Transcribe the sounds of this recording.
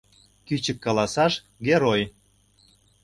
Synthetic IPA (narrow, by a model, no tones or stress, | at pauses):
kyt͡ɕə̆kːɑlɑsɑʃ | ɡeɾoj